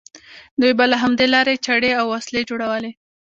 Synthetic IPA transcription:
d̪ujbalaɦamd̪elɑɾet͡ʃaɽeawːasled͡ʒoɽawəle

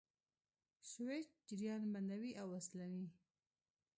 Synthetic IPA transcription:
swet͡ʃ̚d͡ʒɪɾjɑnband̪awiʔawaslawi

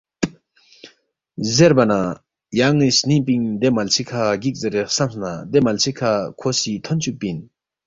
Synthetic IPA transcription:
zeɾbana | jaŋːisnipiŋd̪emalt͡sʰikʰaɡik̚zeɾesamsnad̪emalt͡sʰikʰakʰosit̪ʰɔnt͡ɕʰuk̚pin

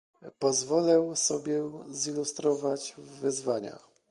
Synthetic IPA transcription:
pɔzvɔlɛwsɔbʲjɛzilust̪ɾɔvad͡ʑvɘzvaɲa̰

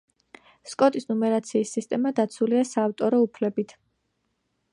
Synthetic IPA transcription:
skʼɔt̪ʼisnumɛɾat̪sʰiːsːist̪ʼɛmad̪at̪sʰuliasaːft̪ʼɔɾɔupʰlɛbit̪ʰ

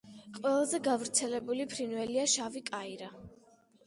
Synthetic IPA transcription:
qʼwɛlˠazɛɡavɾt̪sʰɛlɛbulipʰɾinwɛliaʃavikʼaiɾa

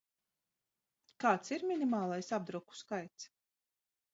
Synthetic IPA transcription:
kaːt̪siɾmʲinʲimaːlˠajsab̚d̪ɾuku̥skajt̪s

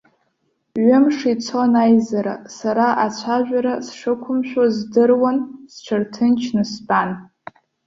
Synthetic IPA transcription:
ɥʊmʂit͡sʰonajzaɾa̰saɾaʔat͡sʷʰaʒᶣʷaɾasʂɨkʷʰʊmʃᶣazdɨrwansʈ͡ʂʷʰɨrtʰɨnt͡ʃʰnɨsban

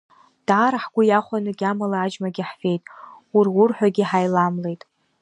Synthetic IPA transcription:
d̥aːɾaħɡʷʊjaχʷanɨɡʲamalaːd͡ʒmaɡʲiħfe̞jtʼurwʊrħʷᶣaɡʲiħajlamle̞jtʼ

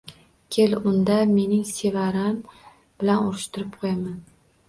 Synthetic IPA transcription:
kʲʰelʊnd̪ame̞nɪŋse̞vaɾam | b̥ɪlanʊɾɪʃt̪ʰʊɾɪp̚qʰojaman

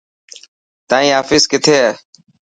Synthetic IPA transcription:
t̪ãːĩːɦaːfɪskɪt̪ʰeː

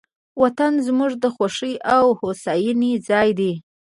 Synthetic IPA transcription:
wat̪anzmuʐd̪əxaʂəjʔawhosɑjinizɑjd̪e

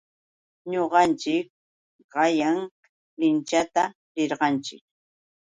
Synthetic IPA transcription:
ɲoɢɑnt͡ʃɪk̚ | ɢɑjaŋ | lɪnt͡ʃat̪a | ɾɪɾɢɑnt͡ʃɪ̰k̚

